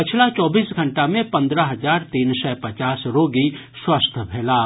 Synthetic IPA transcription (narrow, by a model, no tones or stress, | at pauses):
pɪt͡ʃʰlat͡ʃɔːbiːsɡʱɐ̃ɳʈamẽpɐ̃nd̪ɾaɦɐzaːɾt̪iːnsɛpɐt͡ʃaːsɾoːɡi | swɐst̪ʰbʱɛːlaː